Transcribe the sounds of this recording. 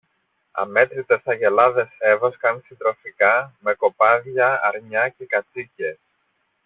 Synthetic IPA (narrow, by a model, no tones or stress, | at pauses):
ɐ̰me̞t̪ɾit̪esɐʝe̞lɐðe̞se̞voskɐmsid̪ɾo̞fikɐme̞ko̞pɐðʝɐɐ̰ɾɲɐcekɐt͡sices